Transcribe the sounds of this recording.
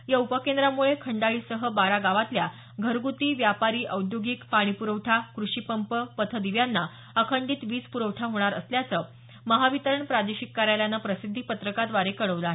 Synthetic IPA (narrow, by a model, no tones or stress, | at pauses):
jaupəkend̪ɾamuɭekʰəɳɖaɭiːsəɦəbaɾaɡaʋat̪lja | ɡʱəɾɡut̪iːʋjapaɾiːʔəwd̪joɡikpaɽ̃ipuɾəʈʰakɾuɕipəmpəpət̪ʰəd̪iʋjanːa | əkʰəɳɖiːt̪ʋiːt͡spuɾəʋʈʰaɦoɽ̃aɾə̰sljat͡sə | məɦaʋit̪əɾəɳpɾad̪eɕikːaɾjaljanːapɾəsid̪ʱːipət̪ɾəkad̪ʋaɾekəɭəʋla